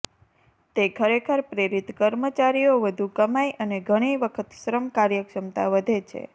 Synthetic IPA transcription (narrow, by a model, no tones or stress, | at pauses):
t̪ekʰəɾekʰəɾpɾeɾit̪kəɾmət͡ʃaɾijoʋəd̪ʱukəmajʔəneɡʱəɽ̃iʋəkʰət̪ʃɾəmkaɾjəkʃəmt̪aʋəd̪ʱet͡ʃʰḛ